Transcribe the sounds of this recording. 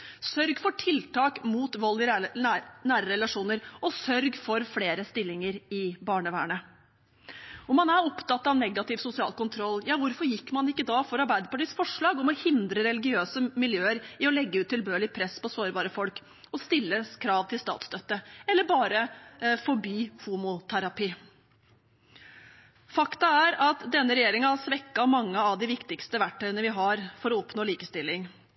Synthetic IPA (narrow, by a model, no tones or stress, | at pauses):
sœɾɡfɔʈʰɪlt̪ʰɑːkmuːt̪ʋɔlːɪ | næːɾəɾɛlɑʂuːnəɾɔsœɾɡfɔɾfleːɾəst̪ɪlːɪŋəɾɪbɑːɳəʋæ̰ːɳə | ɔmɑnæɾɔpt̪ɑt̪ːɑɑʋnɛɡɑt̪ɪʋsʊsɪɑ̰ːlkʊnt̪ʰɾɔlːjɑːʋʊɾfɔɾjɪkːmɑnɪkːəd̪ɑːfɔɾɑɾbæɪd̪əpɑʈiːsfɔʂɭɑːɡɔmɔhɪnd̪ɾəɾɛlɪɡɪøːsəmɪljøːəɾɪɔlɛɡːəʉːt̪ːɪlbøːɭɪpʰɾɛspɔsoːɾbɑːɾəfɔlk | ɔst̪ɪlːəskʰɾɑːʋt̪ʰɪlst̪ɑ̰ːt̪st̪œt̪ːəɛlːəbɑːɾəfɔbiːhuːmʊt̪ʰæɾɑpiː | fɑkt̪ɑæɾɑt̪d̪ɛnːəɾɛjeːɾɪŋɑæsʋɛkːɑmɑŋːəɑʋd̪ɪʋɪkt̪ɪkst̪əʋæʈʰːœʏənəʋɪɦɑɾfɔɾɔɔpnoːliːkəst̪ɪlːɪŋ